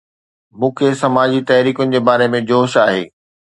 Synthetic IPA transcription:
mũːkʰesɐmaːd͡ʑit̪ɐɦɾiːkʊnɪ̆d͡ʑeːbaːɾemẽd͡ʑoːʃaːɦḛː

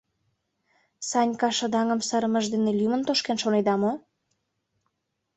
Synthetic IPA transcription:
sɑnʲkɑʃə̆d̪ɑŋə̆msəɾəmə̆ʒd̪enelʲymə̆nt̪oʃkenʃoned̪ɑmo

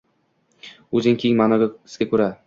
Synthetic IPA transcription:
ɵzɪŋkʲʰeɪŋmanɒɡʲaɪ̥sɡʲakʲʰɵɾa

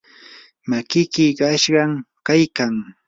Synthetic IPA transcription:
makɪkɪkaʃɢɑm | kajkaŋ

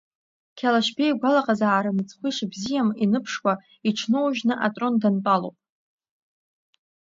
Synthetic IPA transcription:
kʲʰalaʃbejɡʷalaqʼazaːɾɨnɨt͡sʼʰχʷiʂbzijaminɨpʰʂwʷa | iʈ͡ʂʰnowʒᶣnɨʔatʼrondantʼalo̰wpʼ

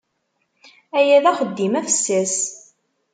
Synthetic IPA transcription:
æjæðæχəd̪ːimæfə̥sːæs

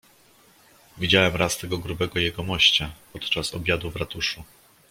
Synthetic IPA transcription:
vʲid͡ʑawɛmɾast̪ɛɡɔɡɾubɛɡɔjɛɡɔmɔɕt͡ɕapɔt̪t͡ʂasɔ̰bʲjad̪uvɾat̪uʂu

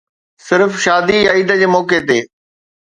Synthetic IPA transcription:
sɪɾfʃaːd̪ijaiːd̪əd͡ʑeːmɔːket̪eː

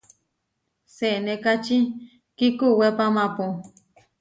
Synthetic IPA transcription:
senẽkat͡ʃi | kikuwepamãpu

